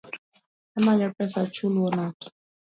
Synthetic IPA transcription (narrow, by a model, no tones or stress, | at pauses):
ɛmaɲapɾɛsat͡ʃuluɔnat